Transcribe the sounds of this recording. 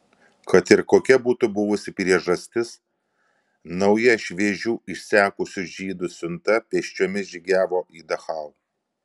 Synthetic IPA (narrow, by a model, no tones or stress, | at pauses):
kɐt̪ɪɾkoːkʲɛbuːt̪ʊbʊʋʊsʲɪpʲɾʲiɛʒɐsʲt̪ʲɪs | nɐʊjɛʃʲʋʲeːʒʲuːɪʃʲsʲæːkʊsʲʊʒʲiːd̪ʊsʲʊnt̪ɐpʲeːʃʲt͡ʃʲoːmʲɪsʒʲiɡʲæːʋoːʔiːd̪ɐxɐlˠ